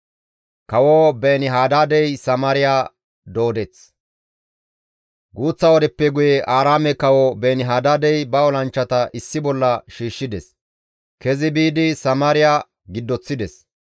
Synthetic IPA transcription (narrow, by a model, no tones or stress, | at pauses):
kɐwobeːnɪɦaːd̪aːd̪ɛjsɐmaːɾɪjaː | d̪o̞ːd̪ɛt͡s | ɡuːt͡sːɐwɔd̪ɛpːɛɡʊjɛʔaːɾaːmɛkɐwobeːnɪɦaːd̪aːd̪ɛjbɐɔlɐnt͡ʃːɐt̪ɐʔɪsːɪbɔlːɐʃiːʃːɪd̪ɛs | kɛzɪbiːd̪ɪsɐmaːɾɪjaː | ɡɪd̪ːɔt͡sːɪd̪ɛs